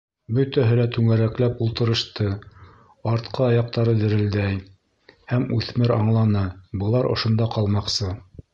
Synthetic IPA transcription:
bɵt̪æɦɘ̆læt̪ʉŋæɾæklæpulˠt̪ɤ̆ɾɤ̆ʃt̪ɤ | ɑɾt̪qʰɑɑjɑq̚t̪ɑɾɤd̪ɘ̆ɾɘ̆ld̪æj | hæmʉθmɘɾɑ̰ɴlˠɑnɤbɤ̆lˠɑɾʔŏ̰ʃŏnd̪ɑqɑlˠmɑqsɤ

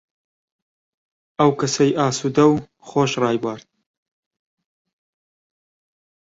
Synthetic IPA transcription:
ɐwkɐsɐjʔaːsuːd̪ɐw | χoːʃrɑːjbaːɾt̪̚

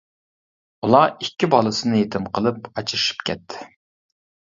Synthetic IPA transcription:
ulˠɑikʲːibɑlˠɨsɨnɨjet̪ʰɪmqʰəlˠɨpɑt͡ʃʰiʃi̥pkʲʰɛ̰t̪ʰːɪ̥

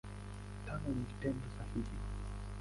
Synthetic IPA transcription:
tanɔnivitɛndɔsahivi

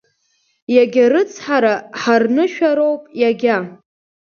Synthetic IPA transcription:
jaɡʲaɾɨt͡sʰħaɾaħarnɨʃᶣaɾowpʼjaɡʲa

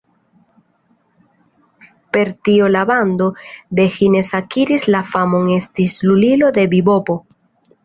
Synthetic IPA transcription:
pe̞ɾt̪iolaβand̪o̞d̪e̞xine̞sakiɾislafamo̞ŋe̞st̪islulilo̞d̪e̞bibo̞po̞

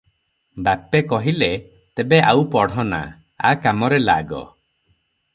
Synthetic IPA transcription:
bapekɔɦile | t̪ebeʔawpɔɽ̤ɔna̰ | a̰kamɔɾela̰ɡɔ̰

